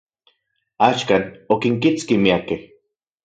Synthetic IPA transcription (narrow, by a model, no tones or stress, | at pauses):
aːʃkaːnokiŋkit͡skimiakeh